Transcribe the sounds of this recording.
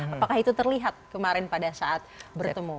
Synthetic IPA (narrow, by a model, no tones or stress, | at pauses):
apakahit̪ut̪ərliɦat̪̚kəmaɾɪnpadasaʔat̪̚bərt̪əmu